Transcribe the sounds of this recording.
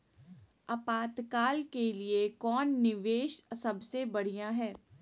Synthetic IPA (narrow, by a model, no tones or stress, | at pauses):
ɐpaːt̪kaːlkeliekɔːnːɪʋeːʃsɐbsebɐɽ̤ijaɦɛː